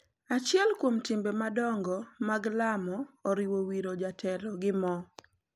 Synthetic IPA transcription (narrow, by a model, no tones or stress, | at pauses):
at͡ʃɪɛlkwomtɪmbemadɔŋɡɔmaɡlamɔːɾɪwowiɾod͡ʒatʰɛlɔɡɪmɔ